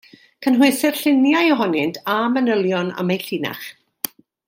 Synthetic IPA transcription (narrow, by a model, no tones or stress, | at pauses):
kʰənɦwɪθɪrɬɪnjajɔɦɔnɪntʰamənəlˠjɔna̰mejɬiːna̰χ